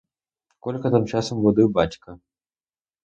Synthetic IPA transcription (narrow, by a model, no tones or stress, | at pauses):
kɔlʲkɐt̪ɨmt͡ʂasɐmvɔd̪ɨbat͡ɕʲkɐ